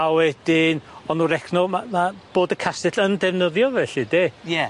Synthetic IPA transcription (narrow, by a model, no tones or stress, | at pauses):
awɛd̥ɪnɔnuɾɛkʰnɔmamab̥oːdəkʰasɪɬəndɛvnəðjɔvɛɬidejɛ